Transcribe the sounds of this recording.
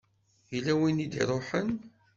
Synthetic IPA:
ilæwinid̪ḭɾˤoħən

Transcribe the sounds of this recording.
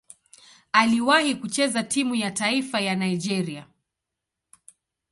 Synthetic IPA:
aliwahikut͡ʃɛzatimujataifajanaid͡ʒɛɾia

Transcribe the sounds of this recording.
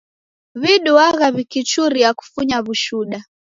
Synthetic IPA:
βiɗuaɣaβikit͡ʃuɾijaku̥fuɲaβuʃuɗa

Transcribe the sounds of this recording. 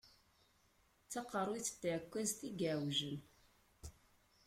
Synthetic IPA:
t͡sːɑqːəɾˤwit͡sːə̥t̪ːʕkʷːæzt̪iɡawʒən

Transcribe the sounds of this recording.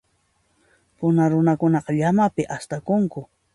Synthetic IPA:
pʊnaɾʊnakʊnɑqɑʎamapɪʔast̪akʊŋkʊ

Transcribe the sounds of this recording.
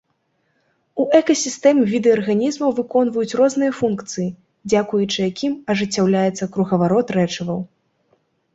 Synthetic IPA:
uʔɛkɐsʲist̪ɛmvʲid̪ɨɐrɣanʲizmɐwvɨkɔnvɐjut͡sʲrɔznɨjɐfunkt̪sɨji | d͡zʲakujut͡ʂɨjakʲʰimɐʐɨt͡sʲːawlʲajɛt̪sːɐkɾuɣɐvaɾɔt̪rɛt͡ʂɐvɐw

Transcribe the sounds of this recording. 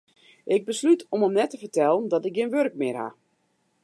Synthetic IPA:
ʔɪɡ̚bəslytɔməmnɛtəfərtɛlˠəndɔtɪk̚ɡinʋørk̚mɪrha̰

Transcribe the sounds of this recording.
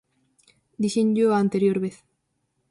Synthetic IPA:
d̪iʃeɲɟoaːnt̪eɾjoɾβeθ

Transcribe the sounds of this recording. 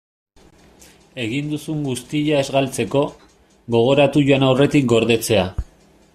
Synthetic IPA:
e̞ɣind̪usuŋɡust̪iʎae̞zɣalt͡se̞ko̞ | ɣo̞ɣ̞o̞ɾat̪uʝoanawre̞t̪ikɡo̞ɾðe̞t͡se̞a

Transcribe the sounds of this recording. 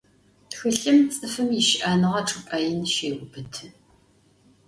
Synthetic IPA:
txɨɬɨmt͡sʼɨfɨmjiʃɪʔaːnɨʁɐʈ͡ʂʰʼɨpʼɐjɪnʃeːwʷʊbɨtʰ

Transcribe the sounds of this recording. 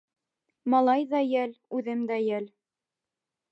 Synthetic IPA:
mɑlˠɑjðɑjɘlʉðɘmd̪æjæl

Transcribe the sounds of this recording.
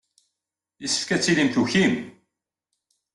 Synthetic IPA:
jisə̥fkæt͡sːilimθuçim

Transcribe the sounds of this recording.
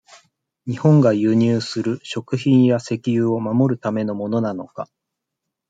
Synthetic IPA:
ɲ̟ihõ̞ŋɡajɯːɲ̟ɨːsɨɾɯ̟ɕo̞kɯ̟çĩɰ̃jase̞kʲijɯːo̞mamo̞ɾɯ̟t̪ame̞no̞mo̞no̞nanoka

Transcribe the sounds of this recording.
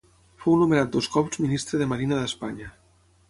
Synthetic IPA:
fownumeɾat̪̚d̪oskɔwzminist̪ɾeðemaɾinaðespaɲa

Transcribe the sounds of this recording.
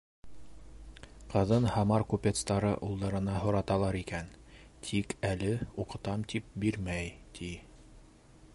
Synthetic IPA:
qɤ̆ðɤnhɑmɑɾkupʲet̪st̪ɑɾɤʔulˠd̪ɑɾɤ̆nɑɦŏɾɑt̪ɑlˠɑɾikæn | t̪ʰikælɘuqɤ̆t̪ɑmt̪ip̚biɾmæjt̪ʰi

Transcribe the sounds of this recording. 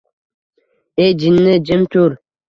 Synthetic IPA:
ed͡ʒinːəd͡ʒəmtuɾ

